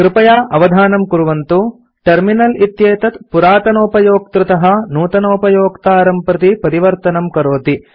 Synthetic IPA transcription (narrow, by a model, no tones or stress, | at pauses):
kɾɪpɐjaːʔɐʋɐd̪ʱaːnɐmkuɾuʋɐnt̪u | ʈɐɾminɐlit̪jeːt̪ɐt̪puɾaːt̪ɐnoːpɐjoːk̚t̪ɾut̪ɐɦɐnuːt̪ɐnoːpɐjoːkt̪aːɾɐmpɾɐt̪ipɐɾiʋɐɾt̪ɐnɐmkɐɾoːt̪i